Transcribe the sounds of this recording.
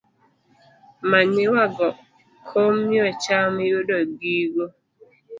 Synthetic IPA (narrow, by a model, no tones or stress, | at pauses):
manewaɡɔ | kʰomjɔt͡ʃamejodɔɡiɡo